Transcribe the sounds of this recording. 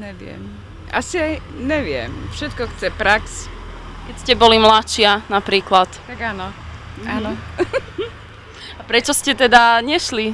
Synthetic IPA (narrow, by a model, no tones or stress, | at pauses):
ɲɛʋɪɛ̰m | ʔa̰siaj | ɲɛʋɪɛ̰mfʃɛt̪̚kɔxt͡sɛpɾaks | kɛcscɛbɔlimlat͡ʃɪanapɾiːklat̪t̪aɡanɔanɔ | apɾɛt͡ʃɔscɛt̪ɛd̪aɲɛʃli